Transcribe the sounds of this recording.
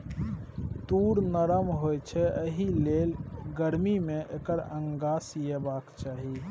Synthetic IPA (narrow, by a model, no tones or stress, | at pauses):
t̪uɾnəɾəmɦojt͡ʃʰɛəɦilelɡəɾmimẽʔekəɾə̃ŋɡasijebakt͡ʃaɦi